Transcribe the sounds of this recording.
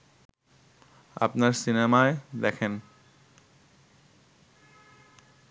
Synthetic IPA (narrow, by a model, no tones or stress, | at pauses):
a̰pnaɾsinemaed̪ɛkʰen